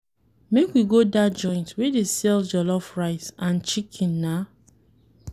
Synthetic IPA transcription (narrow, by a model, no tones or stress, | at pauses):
mekwiɡodad͡ʒɔ̃ɪ̃ntwedesɛld͡ʒɔlɔfɹaɪsãnt͡ʃikʰĩnːa